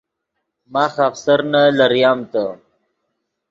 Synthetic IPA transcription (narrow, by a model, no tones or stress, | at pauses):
maːxafsaɾnalaɾjɑːmt̪a